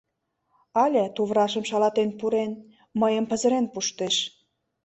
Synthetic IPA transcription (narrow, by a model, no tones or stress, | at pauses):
ɑlʲĕt̪uβrɑʃə̆mʃɑlɑt̪enpuɾen | məjəmpə̆zə̆ɾenpuʃt̪eʃ